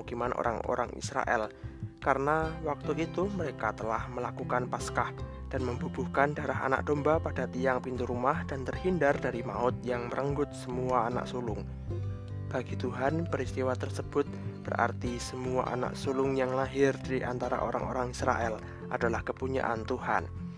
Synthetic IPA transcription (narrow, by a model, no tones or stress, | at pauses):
ukimanʔo̰ɾʔaŋʔo̰ɾa̰ŋḭsɾa̰ʔɛ̰lkaɾənawak̚t̪uʔit̪uməɾekat̪əlahməlakukanpaskah | d̥anməmbubuhkandaɾaɦa̰na̰k̚d̥ombapad̥at̪ijaŋpint̪uɾumahd̥ant̪ərhindardaɾima̰ʊt̪̚jaŋməɾəŋɡʊt̪̚səmuaːna̰ʔsulʊŋ | b̥aɡ̥it̪uɦanpəɾist̪iwat̪ərsəb̥ʊt̪̚b̥ərʔa̰rt̪isəmua̰ʔa̰na̰ksulʊŋjaŋlaɦɪrdiɾiʔa̰nt̪aɾa̰ʔoɾa̰ŋo̰ɾaŋisɾa̰ʔɛl | ʔadalahkəpuɲa̰ʔant̪uha̰n